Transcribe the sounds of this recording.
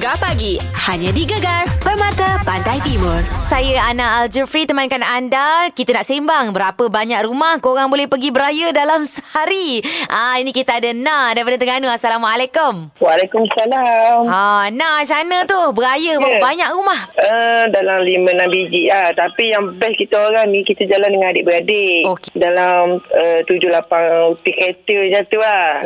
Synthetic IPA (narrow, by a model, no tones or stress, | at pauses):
ɡapaɡi | haɲãdiɡəɡarbərmãt̪apandajt̪imʊrsajəanaʔald͡ʒəfɾit̪əmankanandakit̪ənaʔsembaŋbəɾapəbaɲaʔrumahkoɾaŋbolɛhpəɡibəɾajədalamsəhaɾiʔainĩkit̪aadənadaɾipadat̪əŋanuasalamwalekʊmwalakumasalamanat͡ʃanət̪ʊbəajəbabaɲaʔrumahədalamlimənabid͡ʒiʔaht̪apijaŋbɛskit̪aoɾaŋnĩkit̪ad͡ʒalandəŋanadɪʔbəɾadeʔokedalamət̪ud͡ʒʊlapaŋut̪iket̪əd͡ʒat̪ua